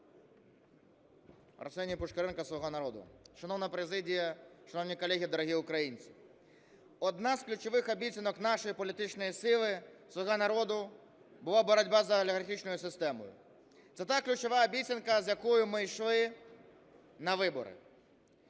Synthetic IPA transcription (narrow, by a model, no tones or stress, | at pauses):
rɔ̰sɛnʲipʊʃkeɾɛnkɐsʋɔɦɔnɐɾɔd̪ʊ̰ʃɐnɔwnɐpɾezɪdʲijɐʃɐnɔwnʲijkɔlʲːɛɦʲid̪ɔɾɔɦʲiʊkɾɐjinʲt͡sʲi̥ | ɔd̪nazklʲʊt͡ʃɔʋɪxɐbʲit͡sʲinɔknɑʃɔjipɔlʲit̪ɪt͡ʃnɔjisɪlˠɪsʋɔɦanɐɾɔd̪ʊ | bʊlˠabɔɾɐdʲbazɐɐlʲɪɣɐrxʲit͡ʃnɔjʊsɪst̪ɛmɔ̰jʊ̰ | t̪sɛt̪aklʲʊt͡ʃɔʋaɐbʲit͡sʲɪnkɐzʲjɐkɔjʊmɪjʃlˠɪ | nɐʋɪbɔ̰ɾɪ̰